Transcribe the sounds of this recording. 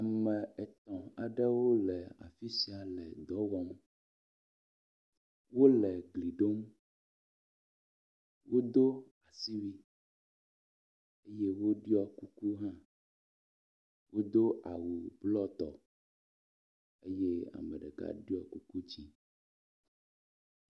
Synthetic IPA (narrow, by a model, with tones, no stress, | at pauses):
a˨mɛ̃˨ɛ˨t̪ɔ̃˨a˨ɖɛ˦wo˦lɛ˨a̰˨fi˦si˨a˨lɛ˨d̪ɔ˨˦wɔ˦m | wo˦lɛ˨ɡli˨ɖo˦m | wo˦d̪o˦ | a˨si˦wi˦ | e˦je˦wo˦ɖi˦ɔ˦ku˦ku˦ɦã˦ | wʔo˦d̪o˦a˨wu˨blɔ˦t̪ɔ̰˨ | e˦je˦a̰˨mɛ̃˨ɖɛ˨ka̰˦ɖi˦ɔ˨ku˦ku˦d͡ʑi˦